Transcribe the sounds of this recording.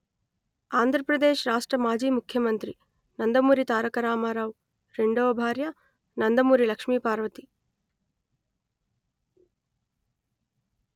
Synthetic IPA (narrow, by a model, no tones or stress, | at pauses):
aːnd̪ʱɾɐpɾɐd̪eːʃɾaːʂʈɾɐmaːd͡ʒiːmukʰːjɐmɐnt̪ɾi | nɐnd̪ɐmuːɾit̪aːɾɐkɐɾaːmaɾaːʋ | ɾeɳɖoːɐbʱaːɾjɐ | nɐnd̪ɐmuːɾilɐkʂmiːpaːɾʋɐt̪i